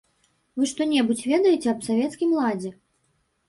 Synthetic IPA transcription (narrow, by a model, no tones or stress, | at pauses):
vɨʂt̪ɔnʲɛbut͡sʲvʲɛd̪ɐjɛt͡sʲɛɐpsavʲɛt̪skʲimlˠad͡zʲɛ